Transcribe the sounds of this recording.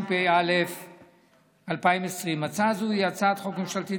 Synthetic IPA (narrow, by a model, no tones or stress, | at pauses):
pejalef | alpaimesʁimat͡sazujat͡sat̪χokemʃalt̪i